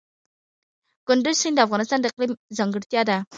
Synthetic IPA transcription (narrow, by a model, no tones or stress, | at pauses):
ɡ̥ʊnd̪ysind̪ɑfʁɑnɨst̪ɑnaqlimzɑŋɡɪɾt̪ijɑd̪ɑ